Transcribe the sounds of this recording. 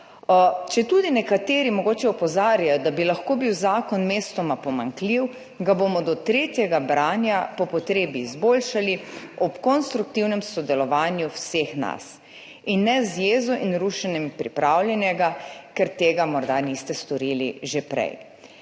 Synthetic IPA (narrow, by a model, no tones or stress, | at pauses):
t͡ʃɛt̪ud̪inɛkat̪eːɾimɔɡoːt͡ʃɛɔpɔzaːɾjajɔd̪abilaxkoːbiwzaːkɔnmest̪ɔmapɔmaŋkliw | ɡabomɔd̪ɔt̪ɾeːt̪jɛɡabɾaːnjapɔpɔt̪ɾeːbiːzbolʃaliɔpkɔnst̪ɾuk̚t̪iwnɛmsɔd̪ɛlɔʋaːnjuwsexna̰s | inːɛzjeːzɔʔinɾuʃɛnɛmpɾḭpɾawljɛnjɛɡakɛɾt̪eːɡamɔɾd̪anist̪ɛst̪ɔɾilḭʒepɾɛ̰j